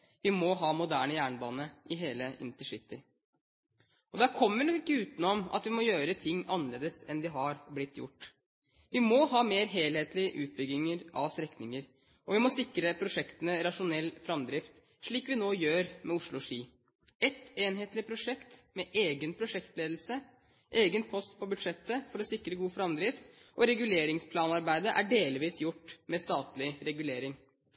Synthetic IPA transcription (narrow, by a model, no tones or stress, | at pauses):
ʋɪmɔɦɑːmʊd̪æːɳəjæːɳəbɑːnəʔɪɦeːləʔɪ̰nt̪əʂɪt̪ːɪ | ɔd̪æɾkʰɔmːənɔɪkːəʉːt̪nɔmɑ̰t̪ʋɪmɔjøːɾət̪ʰɪŋːɑnːəleːd̪əsɛnd̪ɪɦɑɾblɪt̪ʰːjʊ̰ʈː | ʋɪmɔɦɑːmeːɾɦeːlheːt̪lɪəʔʉ̰ːt̪̚bʏɡːɪŋəɾɑʋst̪ɾɛknɪŋəɾ | ʔɔʋɪmɔsɪkɾəpʰɾʊʂɛkt̪ənəɾɑʂʊnɛlːfɾɑmd̪ɾɪft̪ | ʂɭiːkʋɪnoːjøːɾmʔɛʊʂɭʊʂiː | ɛt̪eːnɦeːt̪lɪpʰɾʊʂɛkt̪mɛʔeːɡənpʰɾʊʂɛkt̪leːd̪l̩sə | ʔeːɡənpʰɔst̪pʰɔbʉd̪ʂɛt̪ːəfɔɾɔsɪkɾəɡuːfɾɑmd̪ɾɪft̪ | ʔɔɾɛɡʉleːɾɪŋspʰlɑːnɑɾbæɪd̪əʔæ̰ɖeːlʋiːsjʊʈːmɛst̪ɑːt̪lɪɾɛɡʉleːɾɪŋ